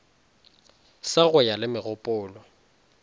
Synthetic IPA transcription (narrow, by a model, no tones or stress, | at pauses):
saɣʊjalɪmɪɣʊpʼʊːlɔ